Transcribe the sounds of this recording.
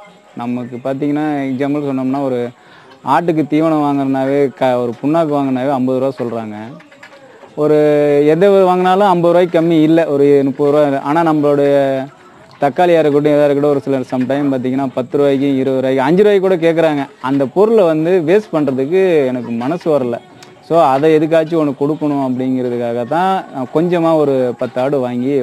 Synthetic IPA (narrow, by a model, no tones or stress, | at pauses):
nɐmːɐkːɯpaːɾt̪̬iːŋɡɐnːaːɛkd͡ʒaːmɐlsɔnːɐmnːaːɔɾɯ | aːʈ̬ːɯk̬ːɯt̪iːʋɐɳɐ̃ʋaːŋɡɐɾɐnd̪aːʋeːkɐɔɾɯpʊɳːaːk̬ːɯʋaːŋɡɐɾɐnd̪aːʋeːɐmbɐðɯɾaːsɔlɾaːŋɡɐ | ɔɾɯɛnd̪ɐʋɐðɯʋaːŋɡɐnaːlʊ̃ɐmbɐðɯɾʋaːjkːɐmːiɪlːɛʔɔɾɯnʊpːɐðɯɾʋaːɾɯʔaːnaːnɐmːɐɭːɽɐjɐ | t̪ɐkːaːlɪjaːɾɯkːʈ̬ːʊ̃ɛðaːɾɯk̬ːɪʈːɐɔɾɯsɪlɐsɐmʈɐjɐmpaːɾt̪̬iːŋɡɐnːaːpɐt̪ːɯɾʋaːjɪkːɯ̃ɪɾɐðɯɾaːjkːɐɲd͡ʒɯɾɯʋaːjɪkːuːɽɐk̬eːʈk̬ːɐɾaːŋɡɐɐnd̪ɐpɔɾɯlʋɐnd̪ɯʋeːspɐɳrɐðɯkːɯɛnɐkːɯmɐnɐsɯʋɐɾɐlːɐ̰ | soːɐðɛɛðɯk̬ːaːt͡ʃːiɔnːɐkɔɽɯkːɐɳʊ̃ɐp̬ːɐɽɪŋɡɪɾɐðɯkːaːɣɐt̪ãːkɔɲd͡ʒɐmaːɔɾɯpɐt̪ːɯaːɽɯʋaːŋɡi